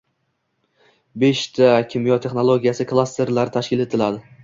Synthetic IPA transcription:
be̞ʃt̪ʰakʲʰɪmjɒt̪ʰe̞χno̞lˠoɡʲijasɪklˠast̪ʰe̞ɾlaɾɪt̪ʰaʃkʲɪle̞t̪ʰɪlad̪ɪ

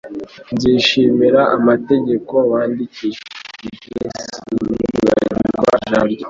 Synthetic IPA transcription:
nziːʃimiɾaʔamate̞ɟe̞ko̞waːndiciʒipɾesiuɡa̰ɾiɡwa̰ʒaɾɟa

